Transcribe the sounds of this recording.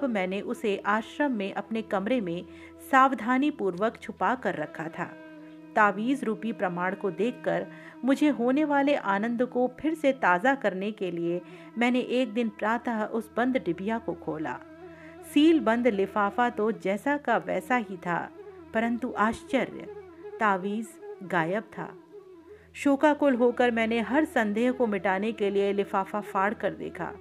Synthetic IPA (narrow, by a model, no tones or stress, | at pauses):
bmɛ̃ːneʔʊseʔaːʃɾəmːẽʔɐpnekɐmɾemẽ | saːʋd̪ʱaːnipuːɾʋəkt͡ʃʰʊpakɐɾːɐkʰːat̪ʰa̰ː | t̪aːʋiːzɾuːpipɾɐmaːɽkod̪eːkʰːəɾ | mʊd͡ʒʱeɦoːneʋaːleʔaːnə̃nd̪kopʰɪɾset̪aːzakɐɾnekelie | mɛ̃ːneʔeːk̚d̪ɪnpɾaːt̪aɦʔʊsbɐ̃nd̪ɖɪbijakokʰoːla̰ː | siːlbɐ̃nd̪lɪfaːfat̪od͡ʒɛːsakaʋɛ̰ːsaɦit̪ʰa̰ːpɐɾə̃nt̪uʔaːʃt͡ʃəɾjə̰ | t̪aːʋiːzɡaːjəb̚t̪ʰa̰ː | ʃoːkakolɦoːkəɾmɛ̃ːneɦɐɾsɐ̃nd̪eːɦkomɪʈaːnekelielɪfaːfafaːɽkɐɾd̪ḛːkʰa̰ː